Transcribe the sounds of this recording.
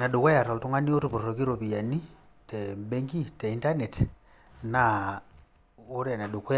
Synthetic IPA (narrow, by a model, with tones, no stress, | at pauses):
na˨ɗu˨ko˦ja˨ɾɔ˨ltu˦ŋa˦ni˦o˦tu˨po˨o˨ki˦ɾo˨pi˨ja˨ni˦ | te˨be˦ŋɡi˦te˨i˦nta˦ne˨t | na˨ | o˦ɾa˨na˨ɗu˨ko˦